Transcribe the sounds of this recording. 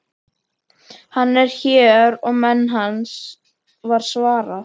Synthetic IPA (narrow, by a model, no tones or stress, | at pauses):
hanːɛɾ̥çɛːɾɔɣmɛnːɦans | vaɾ̥svaːɾa